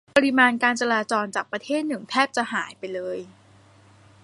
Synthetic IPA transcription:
a˧ɾi˧maː˧nkaː˧nt͡ɕa˧laː˧t͡ɕɔː˧nt͡ɕaː˨˩k̚pɾa˧t̪ʰeː˥˩t̪̚nɯ˨˩ŋt̪ʰɛː˥˩p̚t͡ɕa˨˩ʔhaː˩˦jpa˧jlɤː˧j

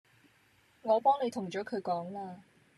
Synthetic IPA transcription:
ŋɔː˨˧pɔː˥ŋne˨˧jt̪ʰʊ˨˩ŋt͡ʃɔː˨˥kʰɵ˨˧ɥkɔː˨˥ŋlaː˧

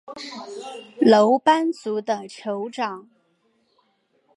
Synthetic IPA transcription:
lo˧˥ʊpa˥nt͡su˧˥d̪ə˧ʈ͡ʂʰjo˧˥ʊʈ͡ʂɑ˨˩˦ŋ

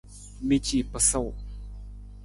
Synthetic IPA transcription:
mi˦˨t͡ɕi˨pə˨sa˥˨w

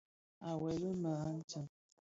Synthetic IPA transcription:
a˨wɛ˨lə˦mə˨a˦n̩˦t͡ʃə˨m

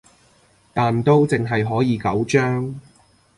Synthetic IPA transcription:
t̪aː˨nt̪o˥wt͡sɪ˨ŋɦɐ˨jɦɔː˨˥jiː˨˧kɐ˨˥wt͡ʃœː˥ŋ

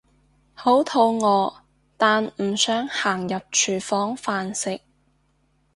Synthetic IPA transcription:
ho˨˥wt̪ʰo˧wŋɔː˨˧ | t̪aː˨nm̩ː˨˩sœː˨˥ŋhaː˨˩ŋjɐ˨p̚t͡ʃʰyː˨˩fɔː˨˥ŋfaː˨˧nsɪ˨k̚

